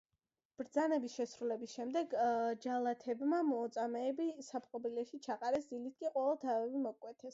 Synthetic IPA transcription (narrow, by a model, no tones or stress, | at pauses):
b̥ɾd̪zanɛbisʃɛsɾulɛbisʃɛmd̪ɛɡd͡ʒalˠat̪ʰɛbmamɔːt̪sʼamɛːbisapʰʼqʼɔbilɛʃit͡ʃʰaqʼaɾɛsd̪ilit̪̚ʰkʼiqʼwɔvɛlˠt̪ʰavɛvimɔkʼwɛt̪ʰɛs